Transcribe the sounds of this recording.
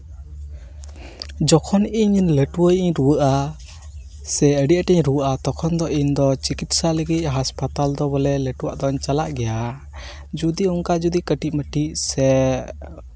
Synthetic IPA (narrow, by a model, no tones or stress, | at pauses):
d͡ʒɔkʰɔniɲləʈuwəjʔiɲɾuwəʔa | sɛəɖiʔaʈɛɲɾuwəʔat̪ɔkʰɔnd̪ɔʔiɲd̪ɔt͡ʃikit̪saləɡic̪̚ɦaspat̪ald̪ɔbɔlɛləʈuwa̰ʔd̪ɔɲt͡ʃalaʔɡɛja | d͡ʒud̪iʔɔŋkad͡ʒud̪ikəʈicməʈiʔsɛ